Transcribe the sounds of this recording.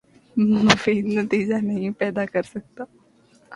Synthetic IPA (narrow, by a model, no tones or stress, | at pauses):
mmʊfiːd̪nɐt̪iːd͡ʒanɐɦĩpɛːd̪akɐɾsɐk̚t̪aː